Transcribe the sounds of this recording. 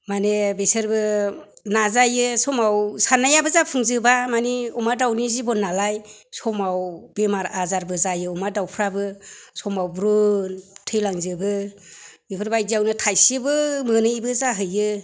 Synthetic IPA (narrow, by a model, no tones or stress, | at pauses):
manebesɯɾbɯ | nazajɯsɔmawsanajabɯzapʰɯŋzɯbamaniumadawnizibɔnalajsɔmawbemaɾazaɾbɯzajɯumadawpʰɾabɯsɔmawbɾɯntʰɯjlaŋzɯbɯ | mipʰɯɾbajdiawnɯtʰajsibɯmɯnɯjbɯzaɦɯjɯ